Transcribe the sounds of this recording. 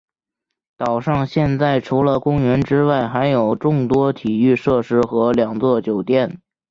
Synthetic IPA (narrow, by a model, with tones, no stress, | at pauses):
t̪ɑ˨˩ʊʂɑ˥˧ŋɕjɛ˥˧nt͡sa˥˩ɪʈ͡ʂʰu˧˥lə˧kʊ˥ŋɥɛ˧˥nʈ͡ʂɻ̩˥wa˥˩ɪxa˧˥ɪjo˨˩ʊʈ͡ʂʊ˥˩ŋt̪wɔ˥t̪ʰi˨˩y˥˧ʂɤ˥˩ʂɻ̩˥xɤ˧˥ljɑ˨˩ŋt͡swɔ˥˩t͡ɕjo˨˩ʊt̪jɛ˥˩n